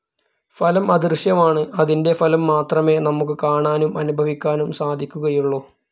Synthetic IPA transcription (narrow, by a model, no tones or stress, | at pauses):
fɐlɐmɐd̪irɕjɐmaːɳɨʔɐðinde̞fɐlɐmːaːt̪rɐme̞ːnɐmukːɨkaːɳaːnumɐnubʱɐʋikʲːaːnumsaːd̪ʱikʲːuɣɐjuɭːoː